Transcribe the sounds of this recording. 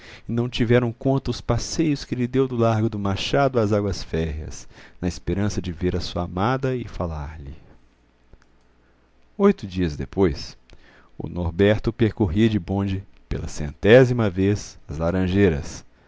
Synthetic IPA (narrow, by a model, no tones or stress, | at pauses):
ɪnɐ̃w̃t͡ʃivɛɾɐ̃w̃kõnt̪ɐʊspasejʊskɪʎɪd̪ewd̪ʊlaɾɡʊd̪ʊmaʃad̪ʊazaɡwɐsfɛɦiɐ̰snɐɪspeɾɐ̃sɐd͡ʒɪveɾɐsuɐamad̪ɐɪfalaɾʎɪ̰ | ojt̪ʊd͡ʒiɐzd̪epojs | ʊ̰noɾbɛɾt̪ʊpeɾkoɦiɐd͡ʒɪbõd͡ʒɪpḛlɐ̰sḛ̃nt̪ɛzimɐvezɐzlaɾɐ̃ʒejɾɐ̰s